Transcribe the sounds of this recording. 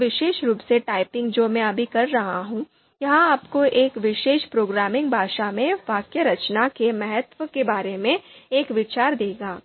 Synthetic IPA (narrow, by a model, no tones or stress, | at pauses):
ʋɪʃeːʃɾuːpseʈaːɪpɪ̃ŋɡd͡ʒoːmɛ̃ɐbʱikɐɾːɐɦaɦũː | jɐɦãaːpkoʔeːkʋɪʃeːʃpɾoːɡɾaːmɪ̃ŋɡ̚bʱaːʃamẽʋaːkjəɾɐt͡ʃnakemɛɦət̪ʋəkebaːɾemẽeːkʋɪt͡ʃaːɾd̪eːɡaː